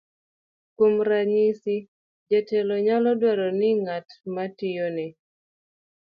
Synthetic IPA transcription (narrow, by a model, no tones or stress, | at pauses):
komɾaɲisi | d͡ʒɛtɛlɔɲalɔdwɛɾɔnɪŋatmatɪjonɛ